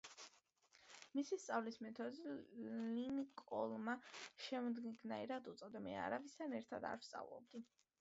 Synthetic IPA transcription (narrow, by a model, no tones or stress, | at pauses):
misist̪sʼavlismɛt̪ʰɔd̪ilinkʼɔ̰lˠmaʃɛmd̪ɡnaiɾad̪ut̪sʼɔd̪amɛa̰ɾavist̪ʰanɛɾt̪ʰad̪a̰ɾfst̪sʼa̰vlˠɔ̰b̚d̪i